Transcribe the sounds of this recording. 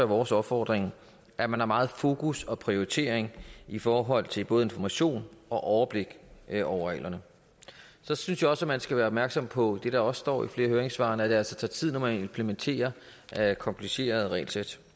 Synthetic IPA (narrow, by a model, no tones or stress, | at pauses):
æʋɒːsɒ̽b̥fɒːd̥ʁeŋ | ʔæmænhɑ̈mɑ̈ːð̞̩ˠfo̝ːkʰusɒ̽pʰʁio̝ʁit͡sʰe̝̰ɐ̰eŋifɒːɦɒ̽l̰t͡sʰe̝lb̥o̽ːð̞̩ˠe̝nfɒmæɕo̝̰ːnɒ̽ʔɒʊɐb̥le̝ɡ̥ɒʊɐʁɛ̰ːlɐnə | sɒ̽synsjaɒ̽sæmænsɡ̥æʋæːɐɒb̥mæɐɡ̥sɒ̽mpʰɒ̽d̥e̝ɾ̥ɑ̈ɒ̽ssd̥ɒ̰ːifle̝ːɐɦøːɐeŋsʋɑ̈næd̥e̝æl̰sɒt͡sʰɑ̰̈ːt͡sʰið̰ˠnɒmæne̝mpʰlement͡sʰe̝̰ːɐ | ʔkʰɒ̽mpʰlise̝̰ːɐð̞ˠʁɛ̰ːlsed̥